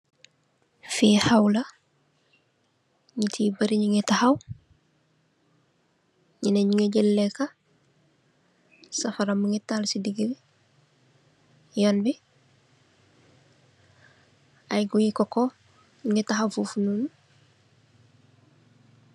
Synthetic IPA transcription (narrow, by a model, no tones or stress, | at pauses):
fiːhawlɐ | ɲitʰibɐɾiɲiŋetahaw | ɲineɲiŋeɟilːeka | sɐfɐɾɐmuŋitalsidiɡi | jonbi | ɐjɡujikoko | ɲiŋetaɦawfufunun